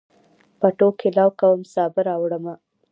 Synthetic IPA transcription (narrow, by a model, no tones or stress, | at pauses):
paʈokʰɪlɑwkawəmsɑbɪɾɑwɽəma